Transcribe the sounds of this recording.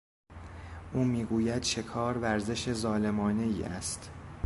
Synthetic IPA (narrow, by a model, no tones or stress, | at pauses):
ʔuːmiːɡuːjæd̪̥ʃe̞kʰɒːɾvæɾze̞ʃezɒːle̞mɒːne̞iːʔæ̰st̪